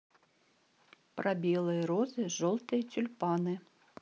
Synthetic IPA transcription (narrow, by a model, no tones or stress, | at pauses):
pɾʔɐbʲilˠɨjɐɾɔzɨʒɔlˠt̪ɨjɐt̪ʲʊlʲpɑnɨ